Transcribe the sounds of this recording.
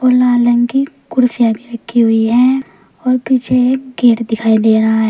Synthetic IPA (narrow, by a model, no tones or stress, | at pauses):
oːlaːlə̃ŋkikʊɾsijabʱiɾɐkʰːiɦʊiɦɛ̃ː | ɔːɾpiːt͡ʃʰeɡeːʈd̪ɪkʰaːid̪eːɾaɦaɦɛː